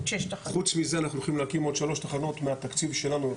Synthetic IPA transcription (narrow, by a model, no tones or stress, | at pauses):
ʃʃt̪aχut͡smize̞anaχnuluχimlehakimo̞d̪ʃalo̞ʃt̪aχano̞t̪meat̪akt͡sivʃe̞lanu